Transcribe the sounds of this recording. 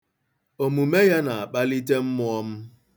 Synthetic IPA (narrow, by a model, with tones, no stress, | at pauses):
o˨mu˨me˦ja˦na˨a˨k͡pa˦li˦t̬e˦m̩˦mʊ˦ɔ˦m̩˦